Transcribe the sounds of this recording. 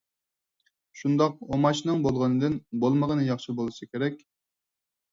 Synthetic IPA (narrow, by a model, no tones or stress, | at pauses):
ʃund̪ɑqomɑt͡ʃnɨŋbolˠʁənɨd̪ɨnbolˠməʁənɨjɑχʃɨbolˠɨsɨkʲeɾɛkʲ